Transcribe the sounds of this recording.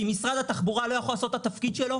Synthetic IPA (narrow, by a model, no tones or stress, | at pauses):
imisʁad̪at̪aχbuʁalo̞jaχolaso̞tat̪afkid̪ʃelo̞